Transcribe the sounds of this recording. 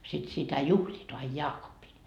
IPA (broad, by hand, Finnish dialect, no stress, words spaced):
sit sitæ juhliːt ɑi jɑːkopːin